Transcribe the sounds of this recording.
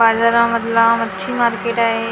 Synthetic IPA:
ad͡ʑaɾãmət̪lamət̪ːʃʰimaːɾkeːʈaɦe

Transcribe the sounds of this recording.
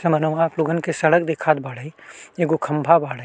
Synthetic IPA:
sɐmɐnuʋaːplʊɡənkesɐɽək̚d̪ekʰaːd̪bʱaːɽəieɡukʰɐmbʱabaːɽ

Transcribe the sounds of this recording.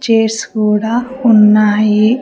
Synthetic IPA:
t͡ʃeːskuːɽaː | unːaːji

